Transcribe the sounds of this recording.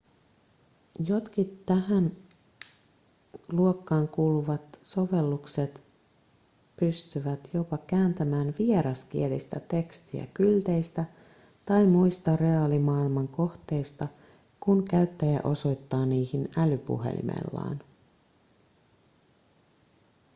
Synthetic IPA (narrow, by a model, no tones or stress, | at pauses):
jo̞t̪kit̪ːæhæn | luokːɑːŋkuːluʋɑt̪so̞ʋe̞lːukse̞t̪ | pyst̪yʋæt̪jo̞pɑkæːnt̪æmæːnʋieɾɑskie̞list̪æt̪e̞kst̪iæ̰kylt̪e̞jst̪æ | t̪ɑjmujst̪ɑre̞ɑːlimɑːilmɑŋko̞ht̪e̞jst̪ɑ | kuŋkæyt̪ːæjæ̰ʔo̞so̞jt̪ːɑːniːhinælypṵɦḛlḭmḛlːɑ̰ːn